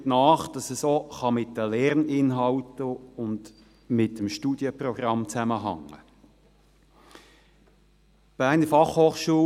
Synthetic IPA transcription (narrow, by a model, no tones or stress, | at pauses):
tnɑːχd̥ɑsəsoχɑmɪtːəlɛʁnɪnɦɑwtəʊnd | mɪtəmʃtuːd̥jəprɔɡ̥ɑmt͡sæməɦɑ̰ŋːə̰ | b̥æːʁnəfɑχhoːχʃuə